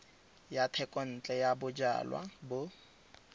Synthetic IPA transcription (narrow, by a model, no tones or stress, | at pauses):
jatʰɛkʼɔn̩t͡ɬʼɛjabʊd͡ʒa̰ːlwa̰bʊ